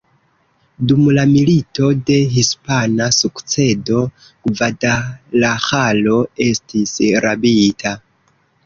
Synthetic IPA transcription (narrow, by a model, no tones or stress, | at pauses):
dumlamilito̞de̞ɦispanasukt͡se̞do̞ | ɡvadalaxalo̞e̞stisɾabitʰa